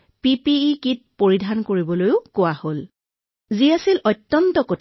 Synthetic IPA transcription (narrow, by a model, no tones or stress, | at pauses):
pipiːkit̚poɹidʱankoɹibɔlojʊkʊwahol | ziasilʔɔtːɔntɔkotʰ